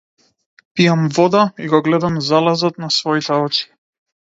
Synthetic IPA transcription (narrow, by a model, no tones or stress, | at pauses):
pijamvɔd̪aiɡɔɡlɛd̪amzalˠazat̪nasvɔit̪ɛɔt͡ʃi̥